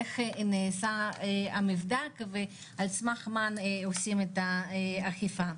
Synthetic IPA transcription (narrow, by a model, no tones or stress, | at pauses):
eχneːsaamivd̪akve | alt͡smaχmanosimet̪aaχifa